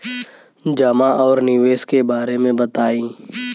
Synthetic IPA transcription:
d͡ʒamaʔɔːɾnɪʋeːskebaːɾemẽbət̪aːĩː

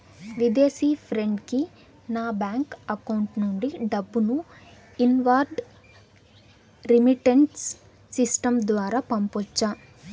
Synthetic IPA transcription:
ʋid̪eːsiːpʰɾe̞ɳɖki | naːbaːŋkɐkɐwuɳʈnuɳɖiɖɐbːunu | inʋaːɾɖ | ɾimiʈeɳʈsː | isʈɐmd̪ʋaːɾaːpɐmpɔt͡ʃːaː

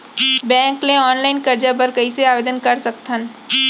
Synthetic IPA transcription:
bɛ̃ːŋklẽɔːnlaɪnkɐɾd͡ʒapəɾkəiseaːʋeːd̪ənkɐɾsɐk̚t̪ʰən

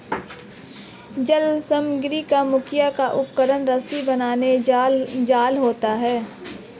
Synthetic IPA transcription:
d͡ʒəlsəmɡɾikamʊkʰjakaʔʊp̚kəɾənɾəsibənaːne | d͡ʒaːlɦoːt̪aɦɛː

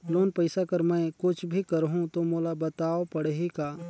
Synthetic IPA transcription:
loːnpəɪsakɐɾmɛ̃kʊt͡ʃʰbʱikɐɾɦũt̪omoːlabɐt̪aːopɐɽɦikaː

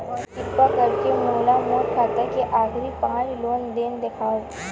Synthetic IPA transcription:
ɪppakɐɾkemoːlamoːt̪kʰaːt̪ɐkeʔaːɡɾipãːnloːnd̪eːnd̪ekʰaː

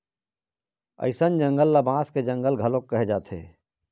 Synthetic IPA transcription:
ə̰ɪsənd͡ʒə̃ŋɡəlːabãːsked͡ʒə̃ŋɡəlɡʱɐlokːəɦed͡ʒaːt̪ʰḛː

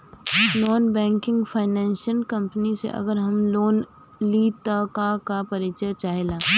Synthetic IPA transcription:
noːnbɛ̃ːŋkɪ̃ŋɡfʰaːɪnɛ̃ːnsəlkɐ̃mpənisḛʔɐ̰ɡəɾɦɐmloːn | lit̪akakapɐɾɪt͡ʃət͡ʃaːɦeːlaː

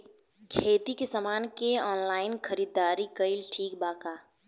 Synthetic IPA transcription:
kʰeːt̪ikesəmaːnkeɔːnlaːɪnkʰəɾiːd̪ːaːɾikəɪlʈʰiːk̚baːkaː

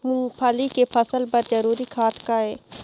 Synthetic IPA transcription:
mũːpʰɐlikepʰɐsəlpɐɾd͡ʒɐɾuːɾikʰaːt̪ʰkaɦɛː

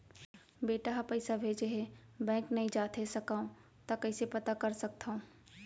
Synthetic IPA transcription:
beːʈaɦapɐɪsabʱeːd͡ʒeɦɛbɛ̃ːŋknɐɦĩd͡ʒaːt̪ʰesɐkaːõ | t̪akɐɪsepɐt̪akɐɾsɐk̚t̪ʰaõː

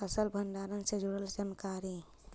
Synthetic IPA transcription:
əsəlbʱəɳɖaɾənsed͡ʒuɽəld͡ʒənkaɾi

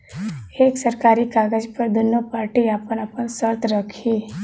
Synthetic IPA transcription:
eːksəɾkaːɾikaːɡəd͡ʒpəɾd̪ʊnːopaːɾʈiaːpənɐpənsəɾt̪ɾəkʰiː

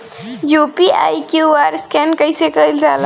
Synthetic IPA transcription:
jupia̰jkjuaɾskɛnkəjsekəild͡ʒal

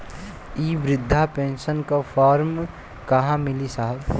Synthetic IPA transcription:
iːʋɾɪd̪ʱːapẽːnʃənkapʰɔːɾm | kɐɦãmɪlisaɦəb

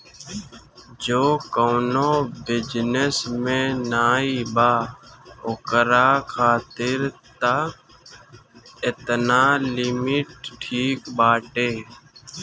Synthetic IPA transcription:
d͡ʒoːkoːnoːbɪd͡ʒnesmẽːnaːiːbaːokəɾaːkʰaːt̪ɪɾt̪ə | ɪt̪naːlɪmɪʈʈʰiːkbaːʈeː

